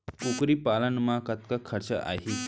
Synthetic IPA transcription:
kukɾiːpalənmakat̪kakʰəɾt͡ɕə̰ʔa̰ɦi

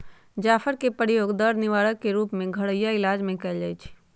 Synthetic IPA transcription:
d͡ʒaːfʰəɾkepəɾɪjoːɡd̪əɾnɪʋaːɽəkːeɾuːpmẽɡʱɐɽəjaɪlaːd͡ʒmẽkɐɪld͡ʒaːjt͡ʃʰi̥

